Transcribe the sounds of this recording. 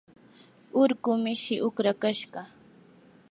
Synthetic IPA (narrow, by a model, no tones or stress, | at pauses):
ʊɾkʊmɪʃɪʔʊkɾakaʃɢɑ